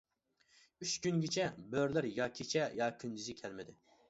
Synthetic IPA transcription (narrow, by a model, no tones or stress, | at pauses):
yt͡ʃɡʲynɡʲit͡ʃʰɛbøɾlæɾjɑkʲʰet͡ʃʰɛjɑkʲʰynd͡ʒ̪yzɪkʲʰɛlmɪd̪ɪ